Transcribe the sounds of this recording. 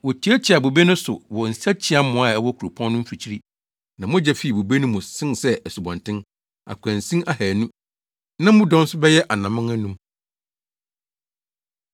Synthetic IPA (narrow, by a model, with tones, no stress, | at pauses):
wɔ˨tʰi˨˦æ˦t͡ɕʰi˨a˨bo˨be˦nʊ̃˦sʊ̰˨wɔ˨n̩˨sa˦t͡ɕʰi˦a˦mːʊ̃˨a˨ɛ˦wɔ˦kʰu˨ɾu˨pʰɔ̃˦n˦nʊ̃˦m̩˦fi˨t͡ɕʰi˦ɾi˦ | nã˨mʊ̃˦d͡ʑɛ˦fi˦˨i˨bo˨be˦nʊ̃˦mʊ̃˨sɪ̃˦nsɛ˦ɛ˨su˨bã˨ntʰɪ̃˦n | a̰˨kʷʰæ̃˨nsĩ˦ʔa˦hæː˨nũ˦ | nã˦mʊ̃˦dɔ̃˦n˦sʊ˦bɛ˦jɛ˦ʔa˨nã˨mɪ̃˦ŋæ̃˦nũ˦m